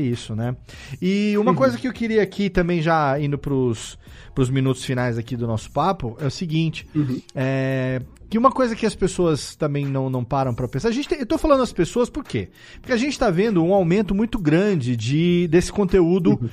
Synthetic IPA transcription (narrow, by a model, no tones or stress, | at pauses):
isʊnɛ | ɪũmɐkojzɐkɪewkɪɾiɐakʰit̪ɐ̃mbẽj̃ʒaĩnd̪ʊpɾʊs | pɾʊzmĩnut̪ʊsfinajzakid̪ʊnɔsʊ̥papʊɛʊsiɡĩnt͡ʃɪ̥ɛ | kɪũmɐkojzɐkɪɐspesoɐst̪ɐ̃mbẽj̃nɐ̃w̃nɐ̃w̃paɾɐ̃w̃pɾɐpẽsaɾɐʒẽnt͡ʃɪẽewt̪owfalɐ̃nd̪ʊd̪ɐspesoɐspoɾke | pʊɾkʲeaʒẽnt͡ʃɪ̥t̪avẽnd̪ʊũawmẽnt̪ʊmũj̃t̪ʊɡɾɐ̃d͡ʒɪd͡ʒɪd̪esɪ̥kõt̪eud̪ʊ